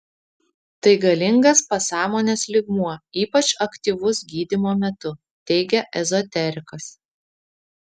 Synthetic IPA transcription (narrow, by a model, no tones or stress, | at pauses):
t̪ɐɪɡɐlʲɪŋɡɐspɐsɑːmoːnʲeːslʲɪɡmuɔiːpɐt͡ʃɐkt̪ʲiːˑʋʊsɡʲiːd̪ʲɪmoːmʲɛt̪ʊ | t̪ʲɛɪɡʲɛʔɛzɔt̪ʲɛɾʲɪkɐs